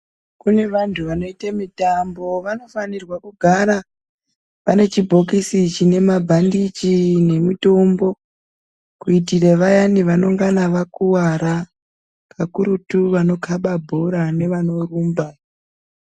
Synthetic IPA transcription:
kune̞ʋantʰuʋano̞itamitambo̞ʋano̞fanirwakuɡʱaɾa | pane̞t͡ʃibʱo̞k̬isit͡ʃine̞mabʱandit͡ʃine̞mito̞mbo̞ | kuitireʋajaniʋano̞ŋɡanaʋakuwaɾa | kakuɾutuʋano̞kʰaɓabʱo̞ɾane̞ʋano̞ruːmba

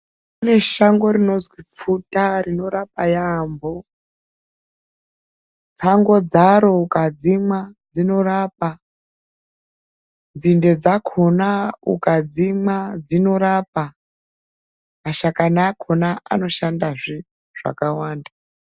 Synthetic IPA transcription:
kune̞ʃaŋɡo̞rino̞zwip͡futarino̞ɾapajambo̞ | t͡saŋɡo̞d͡zaɾo̞ukad͡zimad͡zino̞raːpa | nd͡zinde̞d͡zakʰonaṵkad͡zimad͡zino̞ɾapa | maʃakanakʰo̞naʔa̰no̞ʃandaʐi | ʐ̥a̰kawaːnda

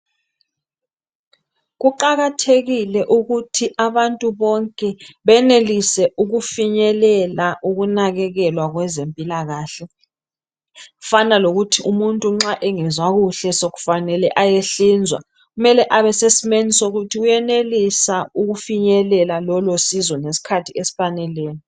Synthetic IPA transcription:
ɣuǃaɣatʰeɣilɛʔuɣutʰiʔaβantʼuβɔŋkʼɛβɛnelisɛʔuɣufiɲɛlɛlaʔuɣunaɣɛɣɛlwaɣwɛzempʼilaɣaːɬɛ | ɣu̥fanaloɣutʰiʔumuntʼuŋ͡ǁaʔɛŋɛzwaɣuɬɛsoɣu̥fanɛlɛʔajeɬiːnd͡zʱwa̰ | ɣumɛlɛʔaβɛsesimenisoɣutʰiɣujɛnelisauɣufiɲɛlɛlalɔlosizwɔnesi̥kʰatʰiesi̥fanɛlɛːni

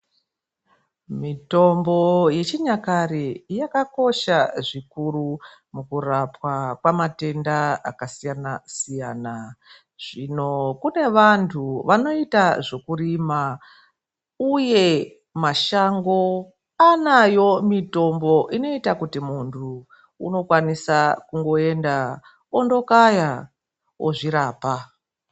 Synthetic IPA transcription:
mito̞mbo̞je̞t͡ʃiɲakarijakako̞ʃaʐikuɾu | mukurapwakwamate̞ndaa̰kasijanasijaːna | ʐ̥ino̞kune̞ʋantʰuʋano̞itaʐo̞kurima | uje̞ | maʃaŋɡo̞ | anajo̞mito̞mbo̞ʔino̞itakutimuntʰu | ṵno̞kwanisakuŋɡo̞e̞nda | ondo̞kaja | o̰ʐiɾaːpa

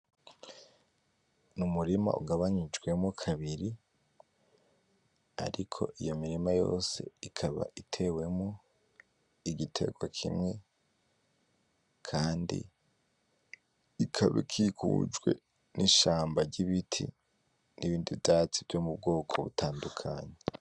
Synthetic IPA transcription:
numuɾima̰ʔṵɡaβaɲid͡ʒɡwe̞mokʰaβiɾi | a̰ɾikʰo̞̰ʔijo̞miɾimajo̞̰ːse̞̰ikʰaβa̰ʔitʰe̞we̞mo | iɡitʰe̞̰ɡwakʰḭmŋe̞ | kʰaːndḭ | ikʰaβeḭkʰikʰṵd͡ʒɡwe̞̰ | nʔiʃaːmbaɾɟiβitʰḭ | niβiːndivdaːt͡sivjomub̚ɡo̞ːkʰo̞βutʰaːndukʰaɲe

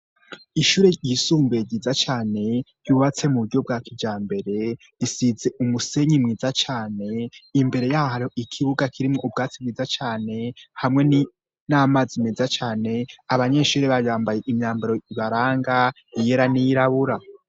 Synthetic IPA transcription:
iʃuːɾe̞ɟisuːmbeɟiːzat͡ʃaːne̞̥ | juːβat͡se̞muβuɾɟo̞b̚ɡaːkid͡ʒaːmbe̞ɾe̞ | ɾisize̞umuse̞ɲimŋiːzat͡ʃaːne̞imbe̞ɾe̞jaɦaɾioʔikʰiβuɡakʰiɾimŋoʔub̚ɡaːt͡sibɡiːzat͡ʃaːne̞hamŋe̞ni | naːmazimezat͡ʃaːne̞aβaɲe̞ʃuːɾe̞βajaːmbaje̞ʔimɲaːmbaɾo̞iβaɾaːŋɡa | ijeɾanijiɾaβuɾa

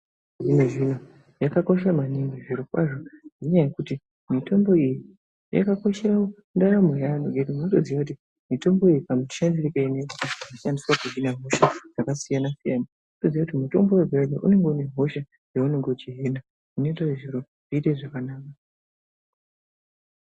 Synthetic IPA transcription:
ʐinoʐin̤o | jakako̞ʃamaniŋɡiʐiɾokwaʐonʐeɲajekuti | mito̞mbo̞iji | ja̰kako̞ʃerawo | ndaɾamejanoɡetimunotoziwakuti | mito̞mbo̞ijipamui̥ʃanderikainekikaanaʃandiswakuinaɦo̞ʃad͡zakasijanasijana | notoziwakutimuto̞̰mbo̞webʱeleʔṵne̞ŋɡeune̞ɦo̞ʃa | jeuneŋɡod͡ʒiɦina | unetaiʐiɾo | ʐ̥iːteʐakanaːka

